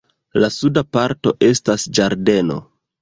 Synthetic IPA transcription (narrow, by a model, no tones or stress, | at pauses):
lasudapaɾto̞ʔe̞stasd͡ʒaɾde̞no̞̰